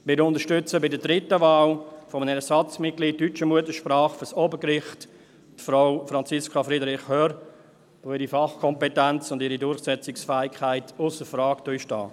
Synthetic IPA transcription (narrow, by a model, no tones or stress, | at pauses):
mɪɾʊntəʃtʏt͡səbɪdədɾɪtəvaːlfɔmənəɛsɑt͡smɪt̚kɡliːtːyt͡ʃəmuətəʃpɾɑːχfɔsɔbəkɾɪχt | tfɾaʊfɾɑnt͡sɪskʰafɾidəɾɪχhøːɾ | oɪɾifɑχkʰɔmpɛtɛnt͡sʊndɪɾidʊɾχsɛt͡sɪksfæːɪkʰaɪtʊsəfɾɑːktøjʃtɑ̰ː